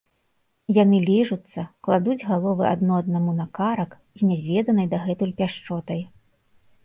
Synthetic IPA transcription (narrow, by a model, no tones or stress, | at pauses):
janɨlʲiʐut̪sːɐklˠad̪ud͡zʲɣalˠɔvɨa̰d̪nɔɐd̪namunɐkaɾɐk | zʲnʲɛzʲvʲɛd̪ɐnɐjd̪ɐɣɛt̪ulʲpʲaʂt͡ʂɔt̪ɐj